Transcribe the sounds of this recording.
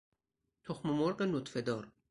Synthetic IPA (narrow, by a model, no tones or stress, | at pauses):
t̪ʰoxmomoɾqenot̪fed̪ɒːɾ